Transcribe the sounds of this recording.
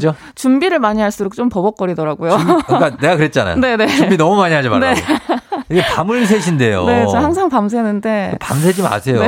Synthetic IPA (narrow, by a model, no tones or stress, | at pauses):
d͡ʑo | t͡ɕumbiɾɯɭmaɲiɦaɭs͈uɾok̚t͡ɕ͈ompʌbʌk͈ʌɾidʌɾaɡujok͈ae̞ɡakɯɾet̚t͡ɕ͈ana̰j̰ne̞ne̞umbinʌmumaɲiɦad͡ʑima̰ɾneoiɡepamɯɭs̬ʰeɕ̬ʰinde̞jo̰ne̞t͡ɕahaŋs̬ʰaŋpams̬ʰenɯnde̞pa̰ms̬ʰed͡ʑimna̰sʰe̞joe